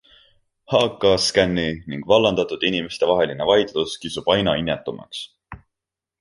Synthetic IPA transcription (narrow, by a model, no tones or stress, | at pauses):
hɑːkːˑɑskænːiniŋɡ̥vɑlːɑnd̪̥ɑt̪ud̪inime̞st̪e̞vɑɦe̞line̞vɑjd̪̥luskisub̥ɑjnɑinːet̪ːˑumɑ̰ks